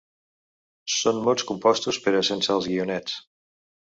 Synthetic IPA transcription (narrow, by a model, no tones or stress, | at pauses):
sonmolˠskumpɔst̪uspəɾəsənsalˠzɣiunɛt͡s